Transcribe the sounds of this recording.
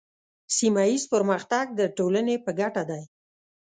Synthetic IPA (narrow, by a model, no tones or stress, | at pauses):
simajizpəɾməxt̪aɡ̚d̪əʈolanepəɡaʈad̪aj